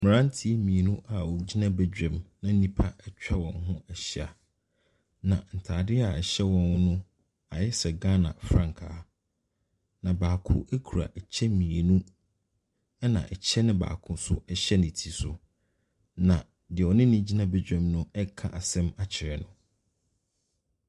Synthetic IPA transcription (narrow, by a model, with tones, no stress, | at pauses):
mɪ̃˨ɾã˦n˦tʰi˦mĩ˨e˨nũ˦ʔa˨ɔ˨d͡ʑi˦nã˦be˦d͡ʑᶣɛ̃˨mnã˦nĩ˦pʰa˦ɛ˦t͡ɕᶣa˦wɔ̃˨nɦʊ̃˦ɛ˨ɕɪ˦a̰˨ | nã̰˨n̩˨tʰaː˨dɪ˦a˨ɛ˨ɕɛ˦wɔ̃˨n˦nʊ̃˦ | a˨jɪ˦sɛ˨ɡa˦nã̰˨fɾã˦ŋkʰaː˨˦ | nã˨baː˨kʰʊ̰̃˦ʔæ˦kʰu˨ɾa̰˨ʔt͡ɕʰɛ˦mĩ˨e˨nũ˦ | ɛ˦nã̰˨ʔɛ˨t͡ɕʰɛ˦nʊ̃˦ba̰ː˨kʰʊ̃˦sʊ̰˦ɛ˦ɕɛ˦nɪ̃˨tʰi˨sʊ˨ | nã˨ | dɪ˨ɔ˨nɪ̃˦nĩ˦d͡ʑi˦nã˦bæ˦d͡ʑᶣɛ̃˨mnʊ̃˦ɛ˦kʰã̰˦˨ʔa˨sɛ̃˦ma˨t͡ɕʰɪ˨ɾɛ˨nʊ̃˦